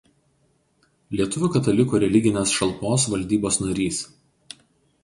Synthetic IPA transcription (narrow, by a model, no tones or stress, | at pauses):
lʲiɛt̪ʊʋʲʊkɐt̪ɐlʲɪkuːɾʲɛlʲɪɡʲɪnʲeːsʃɐlˠpoːs̬ʋɐlʲd̪ʲiːboːsnɐɾʲiːs